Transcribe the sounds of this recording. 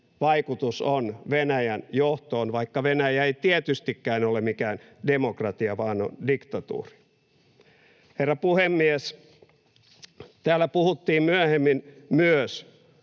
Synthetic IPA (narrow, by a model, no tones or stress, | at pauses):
ʋɑikut̪usonʋenæjænjoht̪oːnʋɑikːɑʋenæjæeit̪iet̪yst̪ikːæːnolemikæːndemokrɑt̪iɑʋɑːno̰ndikt̪ɑt̪ṵːri̥ | herːɑpuhemːies | t̪æːlːˑæpuhut̪ːiːmmyæhemːinmyøs